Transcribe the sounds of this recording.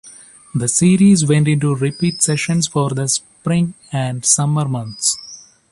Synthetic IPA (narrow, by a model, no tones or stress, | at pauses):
d̪əsiːɾiːzʋẽɳʈɪ̃ɳʈuɾɪpiːʈsɛʃə̃nsfɔːɾd̪əs | pɾɪ̃ŋ | æ̃ɳɖsʌməɾmʌ̃nt̪s